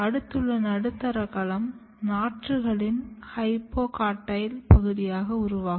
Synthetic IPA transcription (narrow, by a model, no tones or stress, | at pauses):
ɐɽɯt̪ːɯɭːɐnɐɽɯt̪ːɐɾɐkɐlɐm | naːʈrɯɣɐɭɪnhɐɪpːoːkaːʈːɐjɪlpɐɣɯðɪjaːɣɐʊɾʊʋaːɣ